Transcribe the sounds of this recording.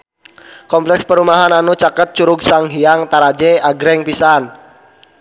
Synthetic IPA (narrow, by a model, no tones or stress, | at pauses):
kɔmplɛkspəɾumaɦananut͡ʃakət̪̚t͡ʃuɾʊɡsaŋɦiaŋt̪aɾad͡ʒɛaɡɾɛŋpisan